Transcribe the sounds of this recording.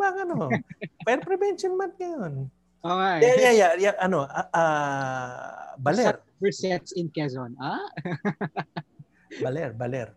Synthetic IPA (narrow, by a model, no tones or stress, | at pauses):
baŋɐnopɛɾpɾɛbɛnʃonmant̪̚ŋɐjon | ʔoŋajjajajaʔɐnoʔɐʔa | bɐlɛɾ | bɛsɛt̪sɪnkɛzonʔa | bɐlɛɾbɐlɛɾ